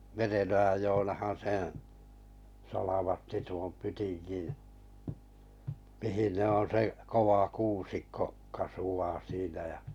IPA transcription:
merenojɑj joːnɑhɑn̞ sẽː sɑlɑʋɑtːi tuom pytinɡ̊in̞ mihin ne on̞ se koʋɑ kuːsikːo kɑsuɑː siːnæ jɑ

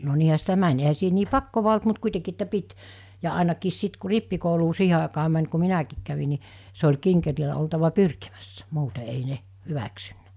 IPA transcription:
no niːhæ sitæ mænʲ ehæ siːhe niː pɑkːoʋɑ olt mut kuitekiː etːæ pit jɑ ɑˑenɑkiːs sit ku ripːikouluː siːhe ɑˑekɑː mæn ku minækiːk kæʋi ni se olʲ kiŋkerilæ oltɑʋɑ pyrkimæsːæ muːte ei ne hyʋæksynːæ̥

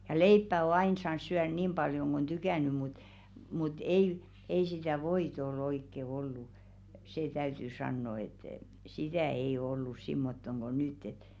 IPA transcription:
jɑ leipːæ o ɑin sɑːns̆ syær niːm b̥ɑljoŋ ɡ̊ on tykæˑny mut mut ei ei sitæˑ ʋoit ol oikːe olːu seː tæyty sɑnːo et sitæˑ ei o olːus simːotːoŋ ɡ̊o nytː et

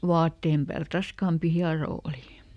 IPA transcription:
ʋɑːtːeːm pæːlt rɑskɑːmpi hiɑroː oli

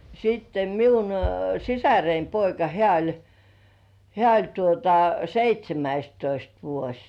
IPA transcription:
siːtːe miun sisæreim poikɑ hĕæˑ olʲ hĕæˑ olʲ tuotɑ seitʲsʲemæistoist ʋuosʲ

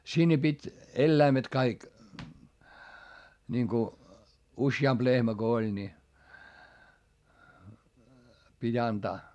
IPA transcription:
sinːe pitʲ elːæimet kɑik niŋku usjɑmp lehmæ ɡ̊o olʲ nʲi pitʲ ɑntɑː

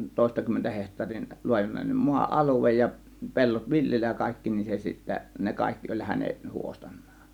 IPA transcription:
toˑe̝stɑkymːentæ hehtˑɑːrin luɑjunen muɑ ʔɑluʋej jɑ pe̞lːot ʋiljelːæj jɑ kɑˑe̝kːi nin se sitːæ ne kɑˑe̝kːi olʲ hæne huostɑ̥n̥ˑɑ̥ːn̥

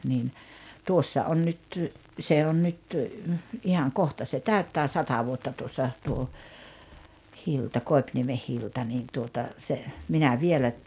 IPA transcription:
niːn tuosːɑ on nyt se on nyt ihɑŋ kohtɑ se tæytːæː sɑtɑ ʋuotːɑ tuosːɑ tuo hiltɑ koi̞pniemeh hiltɑ niːn tuotɑ se minæ ʋielæ

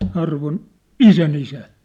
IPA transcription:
ɑrʋon isænisæ

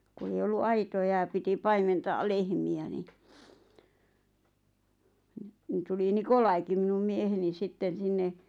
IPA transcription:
ku ei olːu ɑitojɑ j̆ɑ piti pɑimentɑː lehmiæ ni n̆ ni tuli nikolɑiki minum mieheni sitːen̞ sinːe

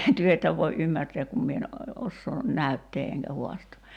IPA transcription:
tyø etːæ ʋoi ʔymːærtɛæk kum mie en osːoː næytːeː eŋkæ huɑstoː

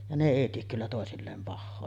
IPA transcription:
jɑ ne eˑi tiek kylːæ toˑesilːeːm pɑhːoː

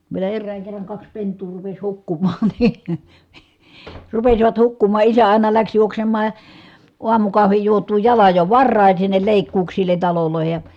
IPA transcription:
ʋielæ erːæːŋ kerːɑŋ kɑks pentˑuː rupes hukːumɑːn̥ n̥i̥ rupesiʋɑt hukːumɑ ʔisæ ɑˑi̯nɑ læks juoksemːɑː uɑmukɑhʋij juotˑuː jɑlɑj jo ʋɑrːɑˑin̞ sinːel leˑikːuːksilˑen̞ tɑloloˑi̯he jɑ

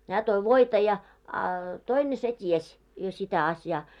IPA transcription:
hæː toi ʋoitɑ jɑ ɑ toine se ties jo sitæ ɑsjɑː

